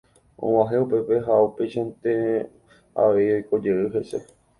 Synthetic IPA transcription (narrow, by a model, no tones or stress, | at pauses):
ʔõ̰waɦeupe̞peɦaupeʃant̪e | a̰ʋe̞jojko̞d͡ʒeɨɦe̞se̞̰